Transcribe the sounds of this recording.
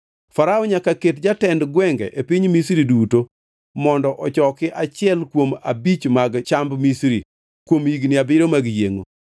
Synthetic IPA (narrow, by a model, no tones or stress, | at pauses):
faɾaɔɲakaketd͡ʒatɛndɡwɛŋɡɛʔepiɲmisɾiduto | mɔndɔʔɔt͡ʃɔkɪʔat͡ʃɪɛlkwoma̰bit͡ʃmaɡt͡ʃambmisɾi | kwomiɡnɪabɪɾomaɡjeŋo̰